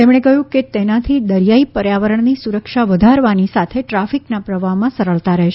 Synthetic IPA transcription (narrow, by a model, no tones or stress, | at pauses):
t̪emɽ̃ekəɦjũket̪enat̪ʰid̪əɾjaipəɾjaʋəɾəɳnisuɾəkʃaʋəd̪ʱaɾʋanisat̪ʰeʈɾafiknapɾəʋamãsəɾəɭt̪aɾəɦeʃ